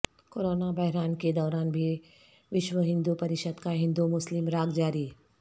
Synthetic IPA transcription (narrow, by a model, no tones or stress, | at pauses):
koːɾoːnabɐɦɾaːnked̪ɔːɾaːnbʱi | ʋɪʃʋəɦɪ̃nd̪upɐɾɪʃəd̪kaɦɪ̃nd̪umʊslɪmɾaːɡd͡ʒaːɾi